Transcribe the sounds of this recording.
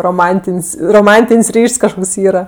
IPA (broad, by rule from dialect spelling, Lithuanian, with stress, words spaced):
roːˈmɐnʲtʲɪnʲsʲ roːˈmɐnʲtʲɪnʲsʲ ˈrʲiːʃʲsʲ kɐʃˈkoːks ˈiːrɐ